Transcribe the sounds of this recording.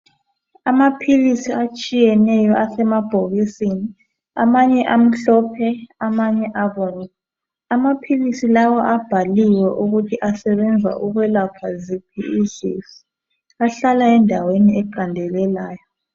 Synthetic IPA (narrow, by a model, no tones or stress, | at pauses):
amapʰilisiat͡ʃʼijɛnɛjɔʔasɛmab̥ʱoɣisini | amaɲɛʔam̩ɬɔpʰɛamaɲɛʔaβɔːnɛ | amapʰilisilawɔʔab̥ʱaliwɛʔuɣutʰiʔasɛβɛnd͡zʱa̰ʔuɣwɛlapʰazipʰiizḭsi̥ | aɬalaɛndʱaweniɛǃandʱɛlɛlaːjɔ